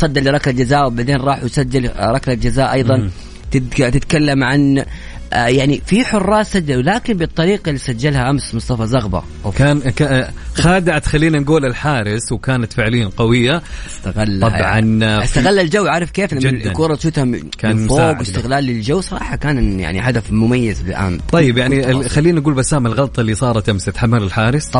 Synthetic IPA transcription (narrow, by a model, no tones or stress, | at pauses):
sˤɑd̪ːalːɪɾˤɑklald͡ʒazaːʔwbaʕd̪eːnɾˤɑːħujsad͡ʒːalɾˤɑklald͡ʒazaːʔɑjðˤɑn | t̪ɪt̪ɪt̪kalːamʕan | jaʕnifiħʊrˤːɑːsad͡ʒːallaːkɪnbɨt̪ˤːɑɾiːqɑlːisad͡ʒːalhaʔamsmʊsˤt̪ˤɑfɑzɑɣbɑ̰ | wkaːnkaxaːd̪ɪʕat̪xalːiːnanɡuːlɪlħaːɾɪswkaːnat̪fɪʕlɪjːanqɑwɪjːast̪aɣalːɑʕa̰nast̪aɣalːald͡ʒawːʕaɾˤɪfkeːflamd͡ʒɪkuːɾˤɑt̪ʃuːt̪hakaːnfoːɡwɪst̪ɪɣlaːlːɪld͡ʒawːsˤɑɾˤɑːħɑkaːnja̰ʕnḭħad̪afmʊmajːazlɪlʔa̰mˤɑjːɪbjaʕnixalːiːnnɡuːlbasaːmalɣɑlt̪ˤɑlːisˤɑːɾˤɑt̪ʔamsɪt̪ħamːalɪlħaːɾɪs